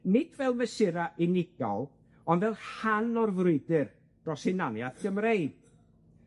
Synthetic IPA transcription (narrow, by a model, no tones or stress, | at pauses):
nɪd̥vɛlˠməsɪɾaʔɪnɪɡ̥ɔ̰lˠ | ɔnvɛlˠhanɔrvrʊɨdɨr | d̥rɔsɪnanjaθɡ̥əmreɨd̥